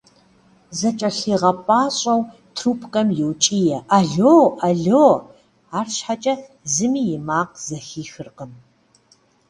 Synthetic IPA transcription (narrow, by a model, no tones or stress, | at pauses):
zɐt͡ʃʼɐɬiːʁɐpʼaːɕʼɐw | tʰruːpʰkʼɐmjɪwt͡ʃʼijɛʔaɮoːʔaɮoː | aːrɕħat͡ʃʼɐ | zɨmiːjɪmaːq̚z̥ɐxiːxɨrqəm